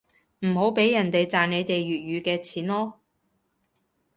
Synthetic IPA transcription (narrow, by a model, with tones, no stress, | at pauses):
m̩˨˩ɦo˨˥wpe˨˥jːɐ˨˩nt̪e˨jt͡saː˨nne˨˧jt̪e˨jɥyː˨t̚jyː˨˧kɛː˧t͡sʰiː˨˥nlɔː˥